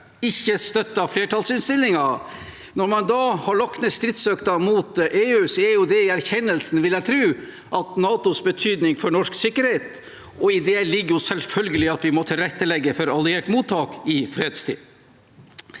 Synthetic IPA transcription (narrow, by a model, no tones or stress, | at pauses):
ɪçːəst̪œt̪ːɑfleːʈʰɑlsɪnst̪ɪlːɪŋɑ | nɔɾmɑnd̪ɑːhɑɭɔkːnəst̪ɾɪt̪sœkt̪ɑmuːt̪ʔeːʉːsɔɛɾjʊd̪ɛɪæɾçɛnːəlsnʋɪlæɪt̪ʰɾʉː | ʔɑt̪nɑːt̪ʊsbət̪ʰyːd̪nɪŋfɔɳɔʂksɪkːəɾheːt̪ | ɔɪd̪ɛlɪɡːəjʊsɛlfœlɡəlɪɑt̪ʋɪmɔt̪ʰɪlɾɛt̪ːəlɛɡːəfɔɾɑlɪeːʈmuːt̪ʰːɑːkɪfɾeːd̪st̪ʰḭː